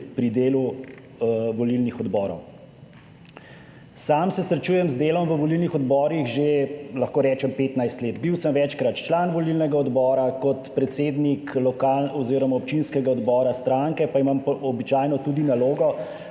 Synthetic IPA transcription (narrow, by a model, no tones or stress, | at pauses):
pɾid̪eːlu | ʋɔlilnixɔd̪bɔːɾɔ̰w | saːmsɛsɾɛt͡ʃuːjɛmzd̪eːlɔmʋəʋɔlilnixɔd̪bɔːɾixʒelɐxkoːɾɛːt͡ʃɛmpeːt̪najst̪leːd̪biwsəmʋɛt͡ʃkɾat̪t͡ʃlanʋɔlilnɛɡaɔd̪bɔːɾakɔt̪pɾɛt̪seːd̪niklɔkalɔziɾɔmaɔpt͡ʃinskɛɡaɔd̪bɔːɾast̪ɾaŋkɛpaimampɔbit͡ʃaːjnɔt̪ud̪inaloːɡɔ